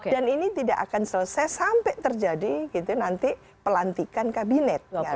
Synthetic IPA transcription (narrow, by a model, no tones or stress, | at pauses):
kdaninit̪idaʔa̰kansələsajsampɛt̪ərd͡ʒadiɡit̪unant̪i | pəlant̪ikankabinɛt̪̚ŋa